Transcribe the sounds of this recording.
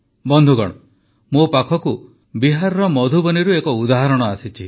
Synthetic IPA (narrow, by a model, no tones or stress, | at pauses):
bɔnd̪ʱuɡɔ̰ɽ̃ɔ | mopakʰɔku | biɦaɾɔɾɔmɔd̪ʱubɔniɾuekɔud̪aɦaɾɔɽ̃ɔasit͡ʃʰi